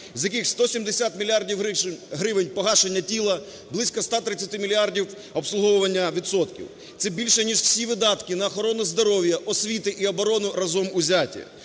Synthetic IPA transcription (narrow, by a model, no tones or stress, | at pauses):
zʲjɐkɪxst̪ɔsʲimd̪esʲat̪mʲilʲardʲiwɦɾɪʋenʲpɔɦɑʃenʲːɐtʲilˠɐ | blˠɪsʲkɐst̪ɑt̪ɾɪt͡sʲɐt̪ɪmʲilʲiardʲiw | ɔpslˠʊɦɔwʊʋɐnʲːɐʋʲit̪sɔt̪kʲḭw | t̪sɛbʲilʲʃɛnʲiʒw̥sʲiʋɪd̪ɑt̪kɪnɐːxɔɾɔnʊzd̪ɔɾɔwʲjɐʔɔsʲʋʲit̪ɪʔiɐbɔɾɔnʊrɐzɔmʊzʲatʲḭ